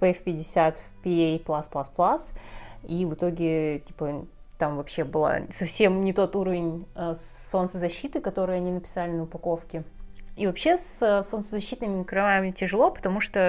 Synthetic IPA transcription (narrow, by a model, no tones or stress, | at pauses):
pɛfpʲɪdʲɪsʲat̪pʲɪejplˠasplˠasplˠasivɨt̪o̞ɡʲɪtʲi̥pət̪amvɐpɕːe̞bɨlˠa̰sɐfsʲe̞mnʲɪt̪o̞t̪uɾəvʲɪnʲəsːo̞nt̪səzɐɕːit̪ɨkɐt̪o̞ɾɨjɐnʲinəpʲɪ̥salʲɪnəʊpɐko̞fkʲɪivɐpɕːe̞səso̞nt̪səzɐɕːit̪nɨmʲɪkɾɐvamʲɪtʲɪʐɨlˠo̞pə̥t̪ɐmuʂt̪o